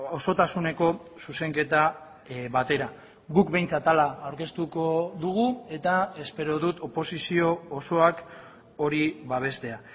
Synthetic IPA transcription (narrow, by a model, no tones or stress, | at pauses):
o̞so̞t̪asune̞ko̞suse̞ŋke̞t̪a | βat̪e̞ɾa | ɣukbe̞jnt͡sat̪alaːwɾke̞st̪uko̞ðuɣue̞t̪ae̞spe̞ɾo̞ðut̪opo̞sisio̞ːso̞ak | o̞ɾiβaβ̞e̞st̪e̞a